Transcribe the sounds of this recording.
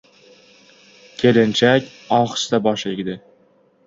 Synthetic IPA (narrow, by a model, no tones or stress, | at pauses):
kʲʰelɪnt͡ʃʰakʲ | ɒχst̪abɒʃlɪɡʲd̪ɪ